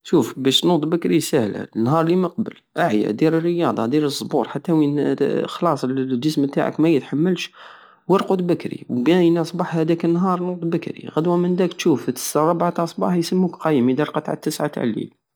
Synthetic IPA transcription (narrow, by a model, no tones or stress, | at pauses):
ʃufbæʃnut̪ˤbəkɾisæhl̰nːɦɑɾˤliməq̚bə̰lʔaʕjæ̰d̪iɾərːəjɑd̪ˤɑ̰d̪iɾəzˤːbuɾħat̪ːæwinxlɑsˤlʒəsmət̪a̰ʕə̰kmæjət̪ħamːəlʃ | wəɾqʊd̪bəkɾḭwbænɑsˤbɑħhæd̪ækənːɦɑɾˤnud̪ˤbəkɾḭɣæd̪wæmənd̪ækt̪ʃuft̪ə̥sɾˤɑbʕat̪ʔɑsˤbɑ̰ħjsəmːukqɑjmid̪iɾqɑt̪ʕa̰t̪ːəsʕa̰t̪a̰ʕlḭl